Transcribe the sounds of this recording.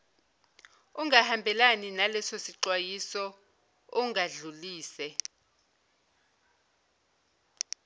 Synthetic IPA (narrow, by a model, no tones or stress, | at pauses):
uŋahambʱɛlaninalɛsosiǀwajisɔ | uŋaɮuliːsɛ